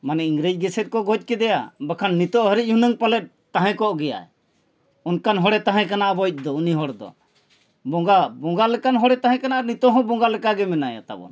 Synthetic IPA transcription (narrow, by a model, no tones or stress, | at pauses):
manɛiŋɡɾed͡ʒ̚ɡɛsɛt̪̚ˀkɔɡɔc̚ˀkɛd̪ɛjabakʰanːit̪ɔʔɦəɾic̚ˀhunəŋpalɛt̚ | t̪aɦɛ̃kɔʔɡɛja̰ɛ̰ | unkanɦɔɽɛt̪aɦɛ̃kanaʔbɔjc̚ˀd̪ɔuniɦɔɽd̪ɔ̰ | bɔ̃ɡabɔŋɡalɛkanɦɔɽɛt̪ãɦɛ̃kanaʔnit̪ɔɦɔ̃bɔŋɡalɛkaɡɛmɛnaja̰t̪a̰bɔ̰n